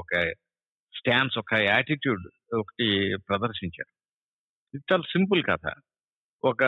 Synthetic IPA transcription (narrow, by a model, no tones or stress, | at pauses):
ɔkɐ | sʈaːnɖsɔkɐaːʈiʈjuːɖ | ɔkɐ̥ʈipɾɐd̪ɐɾʃiɲt͡ʃa̰ːɾu | it̪ːaːlsimpulkɐ̰t̪ʰa̰ː | ɔkɐ